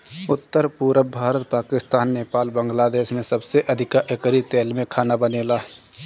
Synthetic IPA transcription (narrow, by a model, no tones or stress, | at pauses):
ʊt̪ːəɾpuːɾəbʱaːɾət̪̚paːkɪst̪aːnːeːpaːlbə̃ŋɡlaːd̪eːsmẽsəbseʔəd̪ʱɪkaʔekɾit̪eːlmẽkʰaːnabəneːlaː